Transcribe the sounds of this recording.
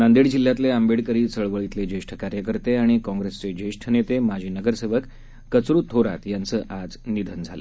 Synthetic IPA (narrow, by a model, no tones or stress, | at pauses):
nand̪iɽd͡ʑilːjat̪leəmbeɽkəɾiːt͡səɭʋəɭit̪led͡ʑeʂʈʰə̥kaɾjəkəɾt̪eaɽ̃ikɔ̃ŋɡɾest͡sed͡ʑeʂʈʰənet̪emad͡ʑʱiːnəɡəɾseʋəkː | ət͡sɾuːt̪ʰːoɾa̰t̪jant͡səːʔad͡znid̪ʱənd͡zʱalə̰